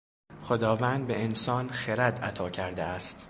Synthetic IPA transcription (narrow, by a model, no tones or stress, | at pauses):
xo̞d̪ɒːvæːnd̪̚be̞ensɒːnχeɾæd̪æt̪ʰɒːcʰæɾd̪eæst̪